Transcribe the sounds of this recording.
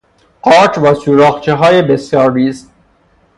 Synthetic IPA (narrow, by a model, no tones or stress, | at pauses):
ʔɒːɾt͡ʃʰvæːsuːɾɒːxt͡ʃʰeɦɒːjebesjɒːɾːiːst̪̚